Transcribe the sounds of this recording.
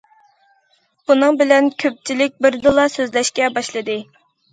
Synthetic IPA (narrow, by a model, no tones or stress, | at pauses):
b̥unɨŋbɪlɛnkʲʰøp̚t͡ʃʰilɪk̚ʲbɪɾd̪ɨlˠɑsøzlɛʃkʲɛbɑʃlˠɨd̪ɨ